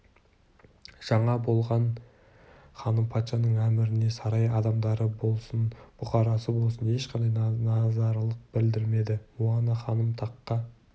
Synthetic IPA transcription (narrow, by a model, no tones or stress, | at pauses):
ʒ̥ɑɴɑbo̞lˠʁɑn | χɑnəmpʰɑt̪ʃɑnəɴæmɪɾɪne̞sɑɾɑjɑd̪ɑmd̪ɑɾəbo̞lˠsənb̥ʊqɑɾɑsəbo̞lˠsəne̞ʃqʰɑnd̪ɑjnɑzɑɾlˠəq̚bɪld̪ɪɾme̞d̪ɪmuɑnəχɑnəmt̪ʰɑqːɑ